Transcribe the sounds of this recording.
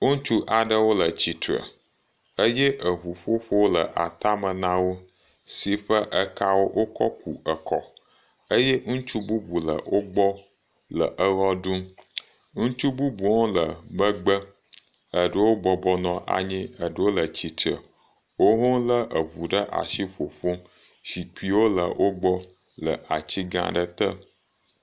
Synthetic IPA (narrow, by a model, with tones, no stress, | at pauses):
ŋu˦t͡ʃu˦ʔa˨ɖə˦wo˦lə˨t͡ɕi˨t̪ə̰˨ | ə˦jɛ˦ʔə˨ɦu˨ɸo˦ɸo˦wo˦lə˨ʔa̰˨t̪a˦mə˨nã˦wo˦ | si˨ɸə˦ʔə˦ka˦wo˦ʔo˦kɔ˦ku˨ʔə˨kʰɔ̰˨ | ə˦jɛ˦ŋũ˦t͡ʃu˦bu˦bu˨lə̰˨wo˦ɡ͡bɔ˦ | lə̰˨ʔə˦ɣɔ˦ɖũ˦ | ŋũ˦t͡ʃu˦bu˦bu˨wɔ̃˦lə˨mə˦ɡ͡bə˦ | ə˨ɖə˦wo˦ɡ͡bɔ˨bɔ˦nɔ̃˨ʔa̰˨ɲĩ˦ə˨ɖə˦wo˦lə˨t͡ɕi˨t̪ə̰˨ | wo˦ɦõ˦lə˦ʔə˨βu˨ɖə˦ʔa̰˨ʃi˦ɸo˨ɸo˦ | ʃi˨k͡pi˨wo˦lə̰˨wʔo˦ɡ͡bɔ˦ | lə̰˨ʔa˨t͡ɕi˦ɡã̰˨ɖə˦t̪ə˦